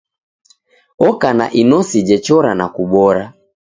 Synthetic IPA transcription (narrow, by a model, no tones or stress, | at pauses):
ɔkana̰ʔinɔsid͡ʒɛt͡ʃɔɾanakuɓɔɾa